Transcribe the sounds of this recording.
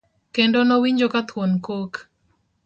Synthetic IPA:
kendonɔwiɲd͡ʒokat̪ʰwonkok

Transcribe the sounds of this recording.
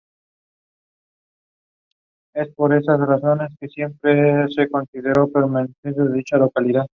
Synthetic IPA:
e̞spo̞ɾe̞sasraso̞ne̞skesje̞mpɾese̞ko̞nsiðe̞ɾo̞pe̞ɾmanesens̬jeðeðit͡ʃalo̞kaliðað

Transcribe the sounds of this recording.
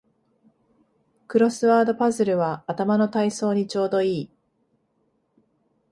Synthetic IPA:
kɯ̟ɾo̞sɨβaːd̪o̞pazɨɾɯ̟βaːt̪amano̞t̪aiso̞ːɲ̟it͡ɕo̞ːd̪o̞iː

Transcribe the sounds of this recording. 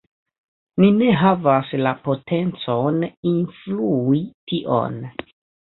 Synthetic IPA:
nine̞ɦavaslapo̞tʰe̞nt͡soninfluitiʔo̰n

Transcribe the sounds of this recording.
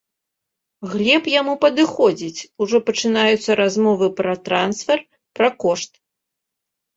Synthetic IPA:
ɣlʲɛpjamupɐd̪ɨxɔd͡zʲit͡sʲuʐɔpɐt͡ʂɨnajut̪sːɐɾazmɔvɨpɾɐt̪ɾansfʲɛr | pɾɐkɔʂt̪

